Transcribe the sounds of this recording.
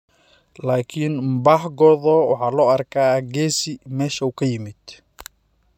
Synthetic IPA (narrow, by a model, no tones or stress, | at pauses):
laːkʰɪnbɑħɡɔðɔːwɑ̰ħɑːlɔːɐrkʰaːɡɛːsɪmɛːʃɐuːkʰɐjɪmɪd̪